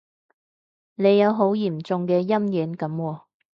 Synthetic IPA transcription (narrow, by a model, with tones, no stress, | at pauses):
ne˨˧jːɐ˨˧wɦo˨˥wjiː˨˩mt͡sʊ˧ŋkɛː˧jɐ˥mjiː˨˥nkɐ˨˧˥mwɔː˧